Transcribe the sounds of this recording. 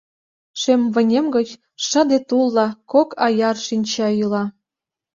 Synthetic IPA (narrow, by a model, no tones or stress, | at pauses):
ʃemvə̆nʲemɡə̆t͡ɕ | ʃə̆d̪et̪ulˠːɑkokɑjɑrʃinʲt͡ɕɑylɑ